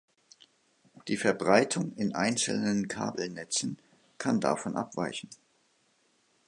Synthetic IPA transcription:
d̥iːfɛɐbʁaɪtʰʊŋɪnʔa̰ɪnt͡sl̩nənkʰa̰ːbl̩nɛt͡sn̩ | kʰanda̰fɔnʔa̰pv̥a̰ɪçn̩

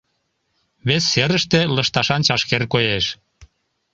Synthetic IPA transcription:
βesːeɾəʃt̪eləʃt̪ɑʃɑnt͡ɕɑʃkerkojeʃ

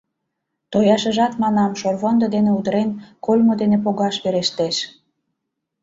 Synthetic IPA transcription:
t̪ojɑʃə̆ʒɑt̪mɑnɑmʃorβond̪od̪eneud̪əɾenkolʲmod̪enepoɣɑʃβeɾeʃt̪eʃ

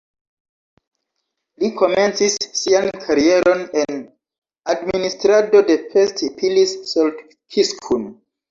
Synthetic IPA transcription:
likʰo̞me̞nt͡sisːiankʰaɾie̞ɾʔo̞nen | administɾado̞de̞festpʰilisːold | kʰiskʰun

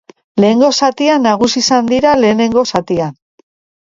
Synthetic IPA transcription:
le̞ːŋɡo̞sat̪ianːaɣ̞usisand̪iɾale̞ːne̞ŋɡo̞sat̪ian

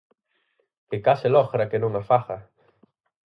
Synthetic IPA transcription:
kekaselɔxɾɐkenũŋafaxɐ

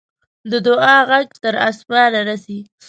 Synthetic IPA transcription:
d̪əd̪ʊɑɣaɡt̪əɾasbɑɾaɾasi

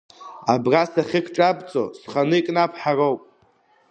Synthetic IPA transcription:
abrasaχʲɪkʰʈ͡ʂʼabʼt͡sʼo̰sχanɨikʼnapʰħaro̞wpʼ

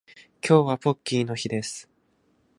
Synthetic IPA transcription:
kʲʰo̞ːβapo̞kʲːiːno̞çid̪e̞sɨ̥

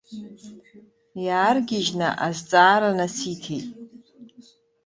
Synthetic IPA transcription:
jaːrɡʲɪʒnɨ̰ʔazt͡sʼaːɾanasitʰejtʼ

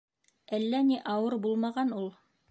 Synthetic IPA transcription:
ælːæniʔɑwɤɾbulˠmɑʁɑnulˠ

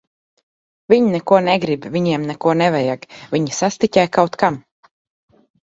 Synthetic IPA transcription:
vʲiɲnɛkuɔnɛɡɾibvʲiɲiɛmnɛkuɔnɛvajaɡvʲiɲisast̪icʲajkawt̪kam

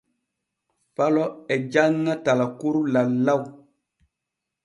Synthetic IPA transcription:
falɔɛd͡ʒaŋːatalakuɾulalːaw

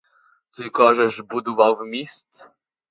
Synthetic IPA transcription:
t̪ɨkɔʐɛʐbud̪uvawvmʲist̪

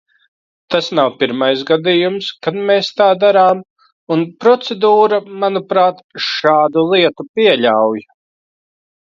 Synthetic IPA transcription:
t̪asnawpiɾmajsɡad̪ijumskad̪meːst̪aːd̪aɾaːm | unpɾɔt̪sed̪uːɾamanupɾaːt̪ʃaːd̪ulˠiɛt̪upiɛʎʲawj

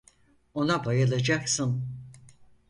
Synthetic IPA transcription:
o̞nabajalˠad͡ʒaksɯm

